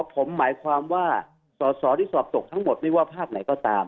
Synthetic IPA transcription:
pʰo˩˦mːaː˩˦jkʰwaː˧mwaː˥˩ | sɔː˨˦sɔː˩˦ɾiː˥˩sɔː˨˩p̚t̪o˨˩k̚t̪ʰa˦˥ŋmo˨˩t̪̚ma˥˩waː˥˩pʰaː˥˩k̚na˨˩˦jkɔː˥˩t̪aː˧m

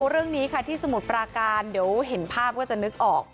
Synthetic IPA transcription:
ɾɯ˥˩əŋniː˦˥kʰa˥˩t̪ʰiː˥˩sa˧mu˨˩t̪̚pɾaː˧kaː˧ndi˩˦əwɦe˩˦npʰaː˥˩p̚kɔː˥˩t͡ɕa˨˩ʔnɯ˦˥k̚ʔɔː˨˩k̚

